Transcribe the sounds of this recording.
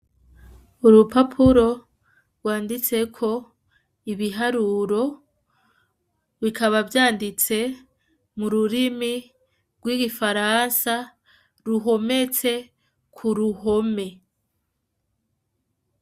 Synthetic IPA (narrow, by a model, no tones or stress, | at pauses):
uɾupapʰuɾo̞ | ɾɡwaːndit͡se̞kʰo̞ | iβiɦaɾuɾo̞ | βikaβavjaːndit͡se̞ | muɾuɾimi | ɡ̥wiːɡifaɾansa | ɾuɦo̞me̞t͡se̞ | kʰuɾuho̞me̞